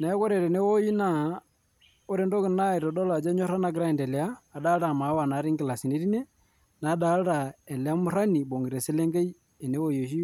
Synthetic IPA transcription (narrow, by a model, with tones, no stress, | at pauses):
na˨ɛ˦kɔ˦ɾe˨ɾe˨ne˦wo˦ji˦na˦ | o˦ɾe˦ndo˦kɪ˨na˦i˨ɾɔ˨dɔ˦la˨d͡ʒa˦ɲɔ˦ɾa˦na˨ɡɪ˦ɾa˦˨ndɛ˨lɛ˨aː˦˨da˦ɾa˨ma˨˦wa˨na˨˦ɾi˦ŋɡɪ˨la˨si˨ne˦ɾi˦ne˦ | na˨˦da˨˦ɾa˨ɛ˨lɛ˨a˦mʊ˦ɾa˦ni˨bo˨ŋɡi˨ɾe˨se˦le˦ŋɡe˦i˦ | e˨ne˦wo˦jo˨ʃi˦